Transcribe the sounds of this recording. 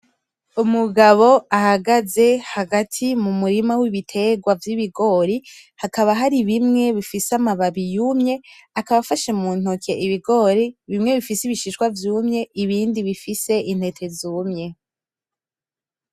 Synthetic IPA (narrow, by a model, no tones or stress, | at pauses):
umuɡaβo̞ahaɡaze̞haɡatʰimumuɾimawiβitʰe̞ɡwavjiβiɡo̞ɾi | hakaβaɦaɾiβimŋe̞βifisamaβaβijumɲe̞akaβafaʃemuːn̥okʰe̞ʔiβiɡo̞ːɾiβimŋe̞βifisiβiʃiʃkwavjuːmɲe̞ʔiβiːndiβifise̞ʔin̥he̞tʰe̞zuːmɲe̞